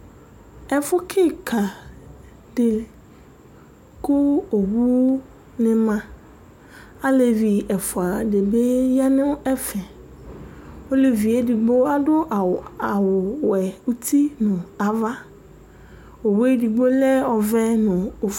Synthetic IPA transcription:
ɛ˨fʊ˦kʰɪ˦kʰa˨ | dɪ˨ | kʊ˦o˨wu˦ | nɪ̃˦mã˦ | a˦le˨vi˨ɛ˨fʊ˨a˨de˨be˦ja˦nʊ̃˦ɛ˦fɛ˨ | o˦le˨vi˨e˨di˨ɡ͡bo˦a˦dʊ˦˨a˨wʊ˨wɛ˨u˦tʰi˦nʊ̃˨a˨va˦ | o˨we˦di˨ɡ͡bo˦lɛ˦ɔ˨vɛ˦nʊ̃˨o˨˦

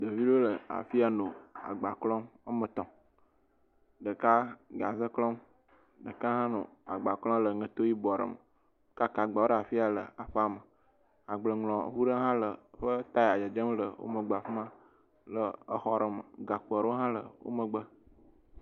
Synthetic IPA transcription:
d̪ə˨vi˦ɖo˦lə˨a̰˨fi˦a˨nõ˨a̰˨ɡ͡ba˨klɔ̃˦ma˦mə˨t̪ɔ̃˨ | ɖə˨ka˦ɡa˨zə˦klɔ˦m | ɖə˨ka˦ɦã˦no̰˨a˨ɡ͡ba˨klɔ̃˦lə˨ŋə̃˨t̪o˦ji˦bɔ˨ɖə̰˨mə˨˦ | ka˦ka˨ɡ͡ba˨wo˦ɖa˨fi˦a˨lə̰˨a˨ɸə˦a˨mə˨ | a˨ɡ͡blə˨ŋlɔ̰̃˨ɦu˦ɖə˦ɦã˦lə˨ɸə˦t̪a˦ja˨d͡ʒə˨d͡ʒə˦mlə˨wo̰˦mə̃˨ɡ͡bə˨a˨ɸmã˦ | lə˨ə˦xɔ˦ɾə˨mə̰˨ɡa˨k͡po˨a˨ɾo˦ɦã˦lə̰˨wo̰˦mə˨ɡ͡bə˦

